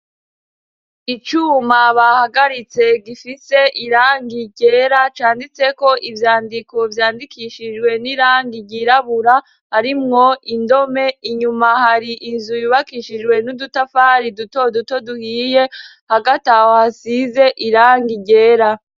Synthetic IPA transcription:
it͡ʃuːmaβahaɡaɾit͡se̞ɡifise̞ʔiɾaːŋɡiɟe̞ːɾat͡ʃaːndit͡se̞ko̞ʔivjaːndiko̞vjaːndikʰiʃid͡ʒɡwe̞niɾaːŋɡiɟiɾaβuɾa | haɾimŋo̞indo̞me̞iɲumahaɾiʔinzujuβakiʃid͡ʒwe̞nudutafaɾiduto̞duto̞duhiːje̞ | haɡatahohasize̞ʔiɾaːŋɡiɟe̞ːɾa

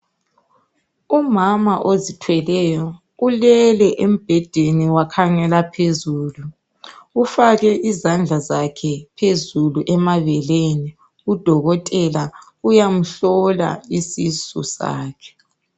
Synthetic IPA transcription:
umamaʔozitʰwɛlɛjɔ | ulɛlɛʔem̩b̥ʱɛd̥ʱeniwakʰaŋɛlapʰezuːlu | ufaɣɛʔizand͡ɮʱazakʰɛpʰezuluʔɛmaβɛleni | ud̥ʱɔɣɔtʼɛla | ujam̩ɬɔla̰isisṵsa̰ːkʰɛ̥

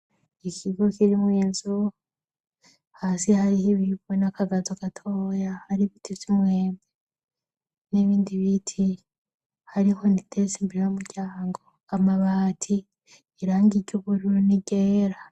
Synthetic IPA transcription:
ikiɡo̞kiɾimwiːnzu | haːsihaɾihiβiβunakʰaɡazoɡatʰoːjahaɾiβitʰijimweːmbe | niβiːndiβitʰi | haɾiho̞nitʰesimbiɾejumuɾɟaːŋɡo̞ | amaβaːtʰi | iɾaːŋɡiɾɟuβuɾuɾuniɡeːɾa

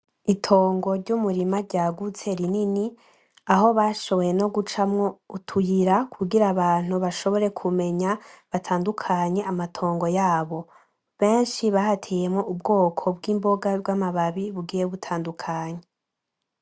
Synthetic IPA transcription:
itʰo̞ːŋɡo̞ɾɟumuɾimaɾɟaːɡut͡se̞ɾinini | aɦo̞βaːʃo̞βo̞jeno̞ɡut͡ʃamŋo̞utʰujiɾakʰuɡiɾaβaːn̥huβaʃo̞βo̞ɾe̞kʰume̞ɲaβatʰaːndukʰaɲe̞ʔamatʰo̞ːŋɡo̞jaːβo̞ | βe̞ːnʃiβahatʰejemŋoʔubɡo̞ːkʰo̞bɡiːmbo̞ɡabɡamaβaβiβuɡiːjeβutʰaːndukʰaːɲe

